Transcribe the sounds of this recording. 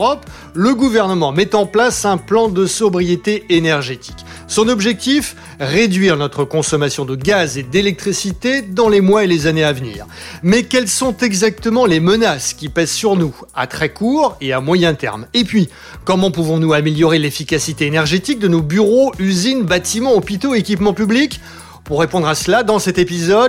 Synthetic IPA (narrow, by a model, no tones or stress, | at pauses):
ɔp | ləɡuvɛʁnəmɑ̃mɛt̪ɑ̃plasɛ̃plɑ̃d̪əsɔbʁijet̪eenɛʁʒet̪ʰi̥k | sɔ̃nɔbʒɛk̚t̪if | ʁed̪ɥiʁnɔt̪χəkɔ̃sɔmasjɔ̃d̪əɡazed̪elɛk̚t̪χisit̪ed̪ɑ̃lemwaelezaneavnḭːʁmɛkʲɛlsɔ̃t̪ɛɡzak̚t̪əmɑ̃lemənaskʲipɛzsyʁnua̰t̪χɛkuːʁeamwajɛ̃t̪ɛ̰ʁmepɥi | kɔmɑ̃puvɔ̃nuameljɔʁelefikʲasit̪eːnɛʁʒet̪ik̚d̪ənobyʁoyzinbat̪imɑ̃ɔpit̪oekʲipmɑ̃pyblik | puʁːepɔ̃d̪ʁaslad̪ɑ̃sɛt̪epizɔd̪